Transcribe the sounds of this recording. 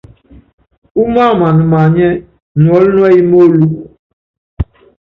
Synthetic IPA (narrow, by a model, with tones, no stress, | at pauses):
u˦ma˦˨ma˨nu˨ma˨ɲɛ˦ | nu˨ɔ˨˦lnu˦ɛ˦ji˦mo˦lu˦˨